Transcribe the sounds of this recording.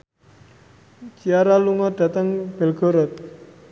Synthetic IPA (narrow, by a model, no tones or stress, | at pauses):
t͡ʃiaɾaluŋɔd̪̥a̤t̪əŋb̥ɛ̤lɡ̥ɔ̤ɾɔt̪̚